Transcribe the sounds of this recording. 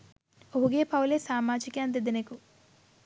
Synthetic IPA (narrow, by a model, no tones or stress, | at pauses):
oɦuɡeːpɐwuleːsaːmaːd͡ʒikɐɐnd̪id̪ineku